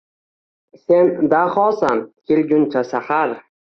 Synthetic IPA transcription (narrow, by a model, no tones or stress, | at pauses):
se̞nd̪aχɒsamkʲʰelɡʲʊnt͡ʃʰasahaɾ